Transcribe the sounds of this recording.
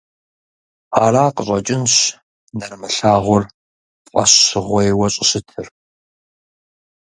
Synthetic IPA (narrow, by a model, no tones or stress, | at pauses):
aːraːqəɕʼɐt͡ʃʼɪnɕ | nɐrmɨɬaːʁʷʊr | qʷʼɐ̰ɕːɨʁʷɔjwɐɕʼɪɕɪtʰɨr